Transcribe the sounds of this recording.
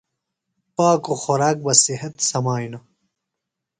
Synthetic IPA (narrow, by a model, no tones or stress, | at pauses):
paːkoxoɾaːk̚bɐsihɐt̪sɐmaːjnɐ